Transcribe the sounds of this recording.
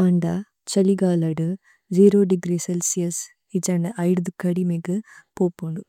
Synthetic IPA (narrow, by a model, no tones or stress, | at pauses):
ɐɳɖa | t͡ʃɐliɡaːlɐɖu | d͡ʒiːɾoːɖiɡɾiselsijɐs | id͡ʒɐɳɖɐʔɐjɖd̪ukːɐɽimiɡɨpoːpːuɳɖu